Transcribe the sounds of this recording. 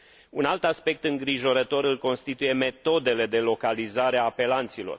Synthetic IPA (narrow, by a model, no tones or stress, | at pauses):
unalt̪aspe̞k̚t̪ɨŋɡɾiʒo̞ɾət̪o̞ɾɨlko̞nst̪it̪uje̞me̞t̪o̞d̪e̞le̞d̪e̞lo̞kalizaɾeaːpe̞lant̪silo̞̰r